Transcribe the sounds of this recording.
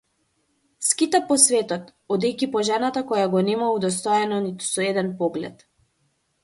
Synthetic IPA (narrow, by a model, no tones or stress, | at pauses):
skit̪apɔsvɛt̪ɔt̪ɔd̪ɛjkipɔʒanat̪akɔjaɡɔnɛmaud̪ɔst̪ɔɛnɔnit̪u̥sɔɛd̪ɛnpɔɡlɛ̰t̪